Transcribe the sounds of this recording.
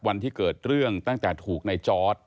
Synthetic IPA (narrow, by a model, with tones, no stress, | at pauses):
wa˧nt̪ʰiː˥˩kɤː˨˩t̪̚ɾɯ˥˩əŋt̪a˥˩ŋt̪ɛː˨˩t̪ʰuː˨˩k̚na˧jt͡ɕɔː˦˥t̪̚